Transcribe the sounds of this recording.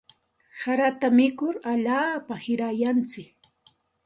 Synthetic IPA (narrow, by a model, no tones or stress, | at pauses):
saɾat̪amɪkʊɾaʎaːpahɪɾajant͡sɪk